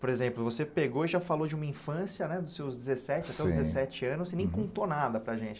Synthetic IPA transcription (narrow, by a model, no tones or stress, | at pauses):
poɾezẽplʊvosepeɡoiʒafalod͡ʒɪũmɐĩfɐ̃sjɐnɛd̪ʊsewzd͡ʒɪzesɛt͡ʃɪat̪ɛawzd͡ʒɪzesɛt͡ʃɪɐ̃nʊssenẽj̃kõt̪onad̪ɐpɾɐʒẽt͡ʃɪ̥